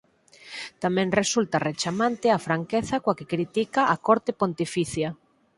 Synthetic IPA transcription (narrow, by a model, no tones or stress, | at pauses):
t̪amɛ̃ŋresult̪ɐret͡ʃamãnt̪ɪafɾaŋkeθakoakekɾit̪ikaʔːkoɾt̪epont̪ifiθja